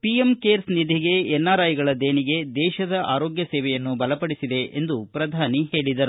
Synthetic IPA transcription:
piemkeːɾsnid̪ʱiɡe̞ɛnːaːɾaːjiɡɐɭɐd̪eːniɡe̞d̪ɛːʃɐd̪ɐʔaːɾo̞ːɡjɐsɛːʋɛjɐnːubɐlɐpɐɽisid̪e̞ʔend̪upɾɐd̪ʱaːnihe̞ːɭid̪ɐɾu

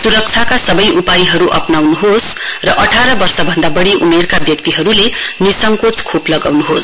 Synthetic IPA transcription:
suɾʌk̚t͡sʰakasʌbʌjʔupaiɦʌɾuʔʌ̰pnawnuɦosrʌʔʌʈʰaɾʌbʌrsʌbʱʌnd̪abʌɽiʔumerkabjʌk̚t̪iɦʌɾulenisʌŋkot͡skʰoplʌɡawnuɦos

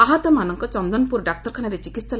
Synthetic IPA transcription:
aɦat̪ɔmanɔŋkɔt͡ʃɔnd̪ɔnpuɾɖak̚t̪ɔɾkʰanaɾet͡ʃikit̪ssal

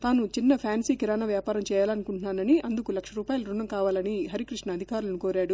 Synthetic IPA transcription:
t̪aːnut͡ʃinːɐpʰjaːnsiːkiɾaːnaʋjaːpaːɾɐmt͡ʃɛːjaːlɐnukuɳʈunaːnɐniʔɐnd̪ukulɐkʂɐɾuːpaːjɐlɐɾuɳːɐmkaːʋaːlɐniɦɐɾikɾiʂɳɐɐd̪ʱikaːɾulɐnukoːɾaːɽu

